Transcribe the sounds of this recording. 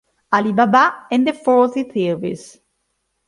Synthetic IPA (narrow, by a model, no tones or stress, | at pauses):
alibabaɛ̃nd̪əfɔɹθiθivḭs